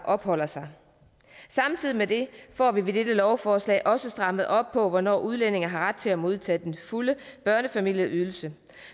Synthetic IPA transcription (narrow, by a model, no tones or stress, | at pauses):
ʔɒ̽b̥hɒ̽l̰ɐsɑ̈ɪ | sɑ̈mt͡sʰið̞̰ˠimed̥e̝fɒ̰ːʋiʋe̝d̥ed̥əlɒʊfɒːslɛ̰ːɪʔɒ̽səsd̥ʁɑ̈məð̩ˠɒ̽b̥̚pʰɒ̽ʋɒnɒ̰ːʔuð̞ˠlen̰e̝ŋ̩ɦɑ̈ʁad̥̚t͡sʰe̝læmo̝ð̞ˠt͡sʰɛ̰ːd̥enfuləb̥ɶɐnəfæmil̰jəʔyð̞ˠl̩sə